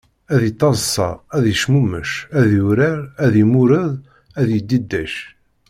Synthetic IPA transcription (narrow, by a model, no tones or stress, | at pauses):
æðit̪ˤːɑzˤsˤːɑ̰æðjəʃmumə̰ʃæðjuɾəɾæðimuɾəðˤ | æðjəd̪ːid̪ːæʃ